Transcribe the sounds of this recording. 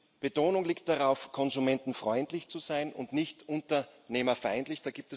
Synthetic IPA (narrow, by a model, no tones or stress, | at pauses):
b̥ətoːnʊŋliːkt̚d̥aʁaʊfkʰɔnzumɛntn̩fʁ̥ɔʏntlɪçt͡suzaɪnʊ̰ndnɪçtʔʊntɐneːmɐfaɪntlɪçd̥aːɡ̥iːp̚tɛs